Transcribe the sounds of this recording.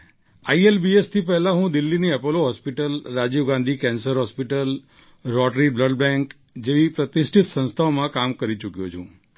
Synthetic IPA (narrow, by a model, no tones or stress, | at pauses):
aielbiest̪ʰipɛɦlãɦũd̪ɪlːiniɛpəloɦɔspiʈəlɾad͡ʒiʋɡãnd̪ʱikɛnsəɾɦɔspiʈəl | ɾɔʈɾibləɖbɛ̃ŋk | d͡ʒeʋipɾət̪ɪsʈʰɪt̪sə̃st̪ʰaomãkamkəɾit͡ʃukjot͡ʃʰṵ̃